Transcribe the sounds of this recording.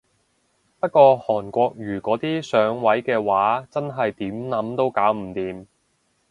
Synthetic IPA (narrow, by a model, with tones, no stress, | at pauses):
pɐ˥t̚kʷɔː˧hɔː˨˩nkʷɔː˧k̚jyː˨˩kɔː˨˥t̪iː˥sœː˨˥ŋwɐ˨˥jkɛː˧waː˨˥t͡sɐ˥nɦɐ˨jt̪iː˨˥mnɐ˨˥mt̪o˥wkaː˨˥wm̩˨˩t̪iː˨˧m